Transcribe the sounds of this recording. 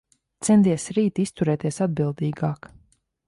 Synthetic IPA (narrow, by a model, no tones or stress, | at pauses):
t̪sɛnt̪iɛsɾiːt̪ist̪uɾɛːt̪iɛsad̪̚bilˠd̪iːɡaːk